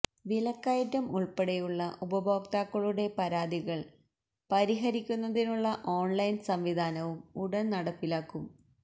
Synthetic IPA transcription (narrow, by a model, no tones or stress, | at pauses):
ʋilɐkːajɐtːɐmuɭpeɽejuɭːɐʔubɐbʱoːk̚t̪aːkːɐɭuɽe̞pɐɾaːd̪iɣɐɭ | pɐɾiɦɐɾikʲːunːɐðinuɭːɐʔo̞ːnlɐjnsɐmʋid̪ʱaːnɐʋumuɽɐnnɐɽɐpːilaːkːum